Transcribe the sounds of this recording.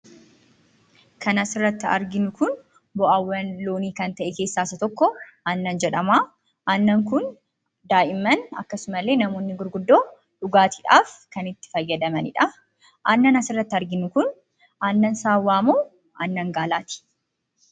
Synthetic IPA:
kɐnɐsɪrːɐt̪ːɪɐ̰ɾɡɪnʊkʊn | bɔʔɐwːɐnloːniːkɐnt̪ɐʔɛke̞ːsːaːsɐt̪ɔkːɔʔɐnːɐnd͡ʒɛᶑɐmaː | ʔɐnːɐŋkʊn | d̪aːʔɪmːɐnɐ̰kːɐsʊmɐlːe̞ːnɐmoːnːɪɡʊɾɡʊd̪ːo̞ː | ᶑʊɡaːt̪ɪ̥ᶑaːfkɐnɪt̪ːɪ̥fɐjːɐd̪ɐmɐnɪ̰ᶑɐ | ʔɐnːɐnɐsɪrːɐt̪ːɪɐɾɡɪnːʊkʊn | ʔɐnːɐnsaːwːaːmoː | ʔɐ̰nːɐŋɡaːlaːt̪ɪ̥

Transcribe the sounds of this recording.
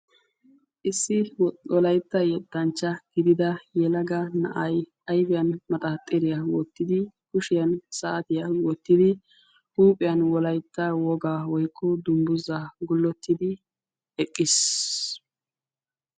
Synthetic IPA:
ʔɪsːɪwɔlɐjt̪ːɐjɛt̪ːɐnt͡ʃːɐɡ̥ɪd̪ɪd̪ɐjɛlɐɡɐnɐ̰ʔɐj | ɐjbɪjɐnmɐt̪ʼɐt̪ʼɛɾɪjɐwɔt̪ːɪd̪ɪkʊʃɪjɐnsɐːt̪ɪjɐwɔt̪ːɪd̪ɪ | huːpʼɪjɐnwɔlɐjt̪ːɐwɔɡaːwɔjkʰːɔd̪ʊmbʊzaɡʊlːɔt̪ːɪd̪ɪ | ɛkʼːɪs

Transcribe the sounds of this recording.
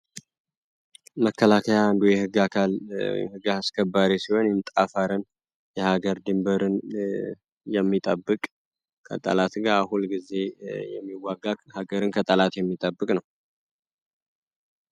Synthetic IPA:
məkʰːəlakʰəjaːnd̪ujɛhɨɡːakʰalw̰j̰mhɨɡaaskʰəbːaɾesiho̞njɪnt̪ʼafaɾən | jɛhaɡəɾd̪ɨmbəɾɨn | jɛmːit̪ʼəbːɨkʼ | kʰə̰t̪ʼə̰lat̪ɡaahulɡize̞jɛ̰mːiwːaɡakhaɡəɾɨnkʰət̪ʼəlat̪jɛmːit̪ʼəbːɨkʼnəw

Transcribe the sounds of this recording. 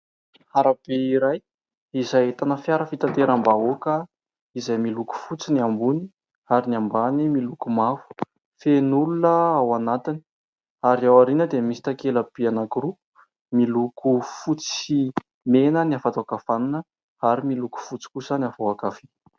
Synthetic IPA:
haɾab̥eiɾaj | izaet̪anəfjaɾəfit̪ant̪eɾambaokə | izajmiluku̥fut͡siniambuni | aɾinambanimilukumafu̥ | fenulunəawanat̪ini̥ | aɾiawaɾinəd̪emisi̥t̪akelab̥ianakiɾu | milukʰufut͡si̥i | menəniafat̪aakafananə | aɾimiluku̥fut͡si̥kusəniafawakafe

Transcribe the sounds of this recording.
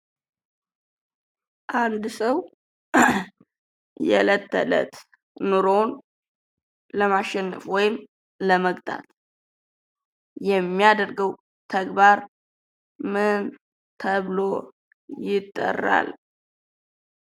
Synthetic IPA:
ʔand̪səw | jɛ̰lət̪ʰːə̰lə̰t̪ | nuɾon | ləmaʃːɛnːəfwɔjɪm | ləməɡt̪ʼʰa̰t̪ | jɛmːijad̪əɾɡəw | t̪ʰəɡbaɾ | mɨn | t̪ʰəβlo | jɪt̪ʼːə̰rːa̰l

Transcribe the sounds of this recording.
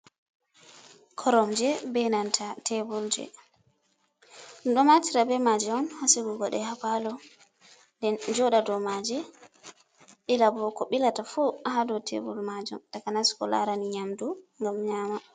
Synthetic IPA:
kʰɔɾɔmd͡ʒɛbɛnantʰatʰɛbuld͡ʒɛ̰ | nɗɔmatiɾabɛmad͡ʒɛɔnhasiɡuɡɔɗɛhapalɔ | ndɛnd͡ʒɔɗadɔmad͡ʒɛ | ɗilabɔkɔɓilatafuaɦadɔtʰɛ̰bṵlmad͡ʒṵmtakanaskɔ̰la̰ɾaniɲamduŋɡamɲaːma

